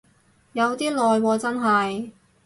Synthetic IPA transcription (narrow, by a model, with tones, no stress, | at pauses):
jɐ˨˧wt̪iː˥lɔː˨jwɔː˧t͡sɐ˥nɦɐ˨j